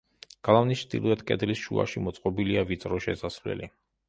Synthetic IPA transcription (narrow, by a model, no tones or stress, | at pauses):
ɡ̥alˠavnist͡ʃʰd̪ḭlˠɔɛt̪ʰkʼɛd̪lisʃua̰ʃimɔt̪sʼqʼɔbiliavit̪sʼɾɔʃɛsasvlɛ̰li